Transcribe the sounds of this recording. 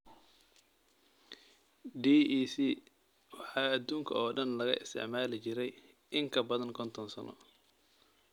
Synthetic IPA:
ɖiːʔiːsiː | wɑħɑːɐd̪uːŋkʰɐ̰ɔːɖɐnlɐɣɐʔɪ̰st̪ʰɪ̰ʕmaːlɪt͡ʃɪɾɛj | ʔɪŋkʰɐbɐðɐŋkʰɔnt̪ʰɔnsɐnʔɔ̰

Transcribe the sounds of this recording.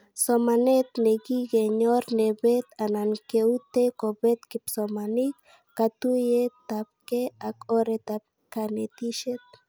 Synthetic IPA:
somanet̪neɡiɡeɲoɾnebet̪anankeut̪ekobet̪kipsomanikː | at̪ujet̪ap̚keakoɾet̪ap̚ | kanet̪iʃet̪̚

